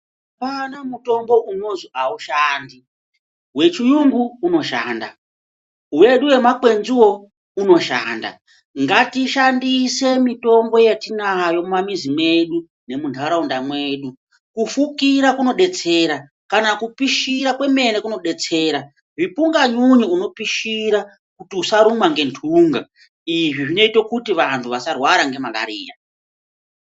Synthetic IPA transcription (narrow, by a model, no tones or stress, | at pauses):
apanamuto̞mbo̞ʔuno̞ziauʃaːndi | we̞t͡ʃijuŋɡuːno̞ʃaːnda̰ | uwe̞ɗuwe̞makwe̞nziwo̞ | uno̞ʃa̰ːnda̰ | ŋɡatiʃandise̞mito̞mbo̞jetinajo̞mamizimwe̞ɗu | ne̞muntʰaɾaundamwe̞ːɗu | kufukiɾakuno̞ɗe̞t͡se̞ːɾa | kanakupiʃiɾakwe̞me̞ne̞kuno̞ɗe̞t͡se̞ːɾa | ʐipuŋɡaɲuɲiuno̞piʃiɾa | kutiusaɾumwaŋɡe̞ntʰuŋɡa | iʐiʐino̞itokutiʋantʰuʋasarwaɾaŋɡe̞mala̰ɾḭːja̰